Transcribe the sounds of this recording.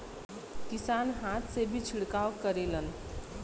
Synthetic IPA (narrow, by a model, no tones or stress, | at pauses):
kisanɦat̪sebʱit͡ʃʰiɽkawkəɾelən